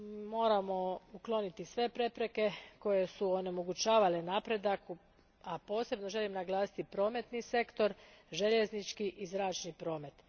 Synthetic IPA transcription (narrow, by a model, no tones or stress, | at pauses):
mo̞ːɾamo̞uklˠo̞nit̪isʋe̞pɾe̞pɾe̞ke̞ko̞je̞suo̞ne̞mo̞ɡut͡ʃaːʋale̞naːpɾe̞d̪aku | apo̞ːse̞bno̞ʒe̞limnaɡlˠaːsi̥t̪ipɾo̞ːme̞t̪nise̞kt̪o̞ɾʒe̞ʎeznit͡ʃkiʔizɾaːt͡ʃnipɾo̞ːme̞t̪